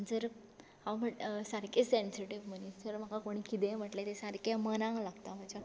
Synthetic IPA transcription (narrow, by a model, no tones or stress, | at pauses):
əɳd͡zəɾ | hãʋm̤əsaɾkesensiʈiʋm̤ənid͡zəɾm̤akakoɽ̃ikit̪ẽm̤əʈlet̪esaɾkjamənãŋlaɡt̪am̤at͡ɕa